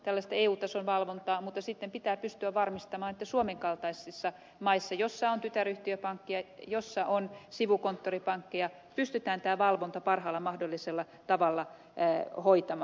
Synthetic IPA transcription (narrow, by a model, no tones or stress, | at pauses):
t̪ælːæst̪ɑeːuːt̪ɑsonʋɑlʋont̪ɑːmut̪ːɑsit̪ːempit̪æːpyst̪yæʋʋɑrmist̪ɑmɑːnet̪ːæsuomeŋkɑlt̪ɑisːisːɑ | mɑisːɑjosːɑont̪yt̪æryht̪iøpɑŋkːijɑjosːɑʔonsiʋukont̪ːoripɑŋkːijɑ | pyst̪yt̪æːnt̪æːʋɑlʋont̪ɑpɑrhɑːlːɑmɑhdolːiselːɑ | t̪ɑʋɑlːɑ | hoit̪ɑmɑː